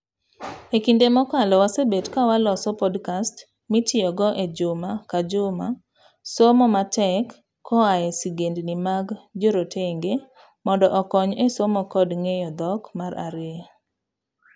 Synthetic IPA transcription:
ekindemɔkalɔwasebetkawalɔsɔpɔdkast | mitɪɔɡɔʔed͡ʒʊmakad͡ʒʊma | somɔmatɛkː | ɔaɛsiɡendnimaɡd͡ʒoɾotʰeŋɡe | mɔndɔʔɔkɔɲesomɔkɔdŋejɔd̪ɔkmaɾa̰ɾe

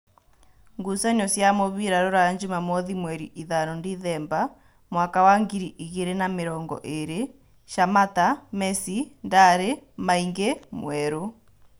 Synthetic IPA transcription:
ŋɡusaɲɔsjamoβiɾaɾoɾaaɲd͡ʒumamɔðimwɛɾiʔiðanɔndiðɛːmba | mwakawaŋɡiɾiʔiɣeɾenameɾɔːŋɡɔ̰ʔeɾe | ʃamatamɛsindaɾemaiŋɡemwɛɾo

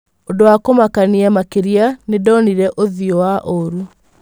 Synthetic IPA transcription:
ondowakomakaniamakeɾianedɔniɾɛʔoðiɔwaʔoɾu

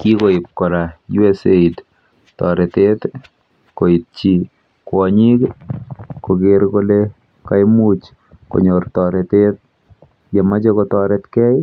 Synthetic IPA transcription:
kikoɪp̚kɔɾajuɛseit | tɔɾɛtet̪ | koit̚t͡ʃi | kwɔɲik | kokɪɾkole | kajmut͡ʃ | ko̰ɲortɔɾɛtet̪̚ | jɛmat͡ʃekɔtɔɾɛtkɛj

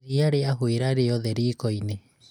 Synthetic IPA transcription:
iaɾeaɦueɾaɾeoðeɾiːkojne

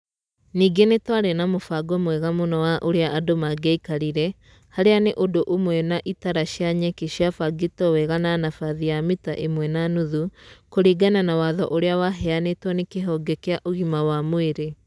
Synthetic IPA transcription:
niːɡenetwaɾɛnamofaɡɔmwɛɣamonɔwaʔoɾeaʔadomaɡɛikaɾiɾɛ | haɾeaneʔodoʔomwɛnaʔitaɾaɕjaɲɛkeʃjafaɡitɔwɛɣananafaðijamita̰ʔemwɛnanuðukoɾiɡananawaðɔʔoɾeawaɦɛanetwɔnekeɦɔɡɛkeaʔoɣimawamweɾe

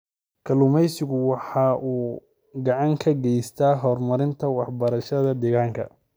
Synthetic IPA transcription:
kʰɐlʊmɛjsɪɣʊwɑħɑːʔuː | ɡɑʕɑŋkʰɐɡɛjst̪ʰaːɦɔrmɐɾɪnt̪ʰɐwɑħbɐɾɐʃɐðɐd̪ɛɣaːŋkʰɐ̰

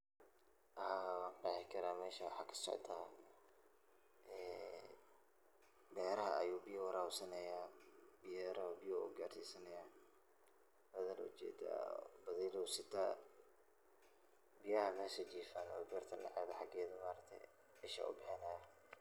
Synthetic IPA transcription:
ʔɐhaːwɑːqɑħɪkʰɐɾaːmɛːʃɐwɑħɑːkʰɐ̥sɔ̰ʕt̪ʰaː | ɛː | bɛːɾɐɦɐɐ̰juːbɪjɐwɐɾaːwsɐnɐjaːbɪjɾɐhɔbɪjɔːɡaːrsiːsɐnɐjaː | bɐðɐl̰ʊ̰t͡ʃɛ̰ːd̪a̰bɐðɛjlɔsɪt̪ʰa̰ː | bɪjɐhɐmɛːsɐt͡ʃiːfanɔ̰ːbɐrt̪ʰɐnɐ̰ʕaːðɐħɑɡɛːðʊmaːɾɐkt̪ʰɛ̰ | ɛʃɐ̰ːʔʊ̰bɪħɪnɐjɐ

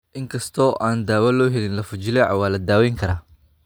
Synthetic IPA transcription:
ʔɪŋkʰɐst̪ʰɔːʔaːnd̪aːwɐlɔːɦɛlɪnlɐfʊt͡ʃɪlɛʕa̰waːlɐd̪aːwɛːjŋkʰɐɾaː

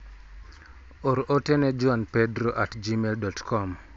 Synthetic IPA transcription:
oɾʔotɛnɛd͡ʒʊanpedɾoʔatd͡ʒimeldɔtkʰɔm

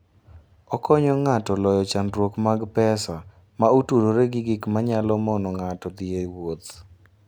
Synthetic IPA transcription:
ɔkɔɲɔŋatɔlɔjɔt͡ʃandɾwokmaɡpɛsa | mautuɾoɾeɡɪɡɪkmaɲalɔmɔnɔŋatɔd̪ɪewot̪

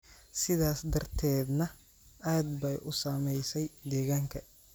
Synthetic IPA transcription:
sɪðaːsd̪ɐrt̪ʰɛːd̪nɐ | aːd̪bɐjʔʊsaːmɛjsɛjd̪ɛːɣaːŋkʰɐ

